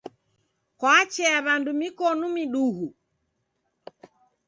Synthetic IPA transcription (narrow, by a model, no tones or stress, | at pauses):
kwat͡ʃɛaβandumikɔnumiɗuhu